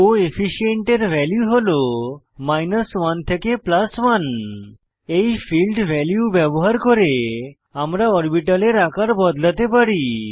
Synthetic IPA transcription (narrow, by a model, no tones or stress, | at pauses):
oepʰiʃieɳʈeɾbʱɛljuɦolo | majnaswant̪ʰekeplaswan | ejfʰilɖbʱɛljubɛboɦaɾkoɾe | amɾaɔɾbiʈaleɾakaɾbɔd̪lat̪epaɾi